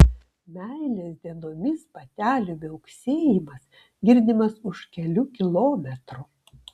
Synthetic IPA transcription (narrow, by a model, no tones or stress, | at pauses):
mʲæɪlʲeːsʲd̪ʲiɛnoːmʲɪspɐt̪ʲæːlʲubʲɛʊksʲeːjɪmɐs | ɡʲɪɾʲd̪ʲɪmɐsʊʃkʲɛlʲʊkʲɪlˠoːmʲɛt̪ɾu